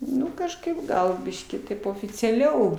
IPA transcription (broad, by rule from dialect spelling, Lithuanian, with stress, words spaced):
ˈnʊ kɐʃˈkɐɪp ˈɡɐlˠ ˈbʲɪʃʲkʲiː ˈtɐɪp oːfʲɪt͡sʲɛˈlʲɛʊ